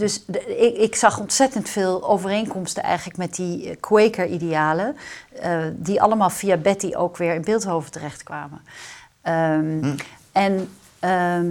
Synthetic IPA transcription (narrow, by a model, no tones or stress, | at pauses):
dɵsɪksɑχɔntsɛtəntfeːlˠowvərejnkɔmstənɛ̰jχələkmɛt̚dikʰwejkəɹʔidejaːlə | diʔɑ̰ləmaːlˠvijaːbɛtiʔo̰wkʋɪːɹɪnbɪːlˠtɦowvətərɛχtkʋaːmə | ɛn